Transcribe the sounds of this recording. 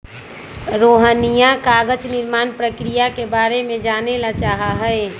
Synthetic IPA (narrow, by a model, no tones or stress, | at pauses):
ɾoːɦənijãkaːɡət͡ʃnɪɾmaːnpɾəkɾijakebaːɾemẽd͡ʒaːnelat͡ʃaːɦaɦɛe